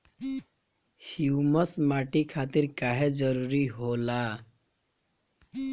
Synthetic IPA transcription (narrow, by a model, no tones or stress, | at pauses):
hjuməsmaʈikʰat̪iːɾkaɦed͡zəɾuɾiɦola